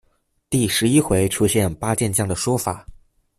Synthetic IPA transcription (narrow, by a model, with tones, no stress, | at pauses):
t̪i˥˩ʂɻ̩˧˥i˥xwe˧˥ɪʈ͡ʂʰu˥ɕjɛ˥˩npa˥t͡ɕjɛ˥˧nt͡ɕjɑ˥˩ŋd̪ə˩ʂwɔ˥fa̰˨˩˦